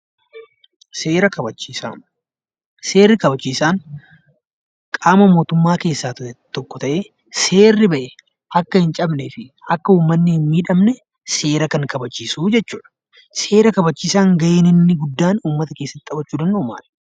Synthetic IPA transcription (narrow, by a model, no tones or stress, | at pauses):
seːɾɐkɐbɐt͡ʃːiːsa̰ː | se̞ːrːɪkɐbɐt͡ʃːiːsaːn | kʼaːmɐmo̞ːt̪ʊmːaːke̞ːsːaːt̪ʊɛt̪ɔkːɔt̪ɐʔeː | se̞ːrːɪbɐʔɛ | ɐkːɐhɪnt͡ʃʼɐbnɛfɪɐkːɐuːmːɐnːɪhɪnmiːᶑɐmnɛ | se̞ːɾɐkɐŋkɐbɐt͡ʃːiːsuːd͡ʒɛt͡ʃːuːᶑɐ̥ | se̞ːɾɐkɐbɐt͡ʃːiːsaːŋɡɐʔeːnɪnːɪɡʊd̪ːaːnuːmːɐt̪ɐke̞ːsːɐt̪ːɪɐbɐt͡ʃːuːd̪ɐndoːma̰ːᶑɐ̥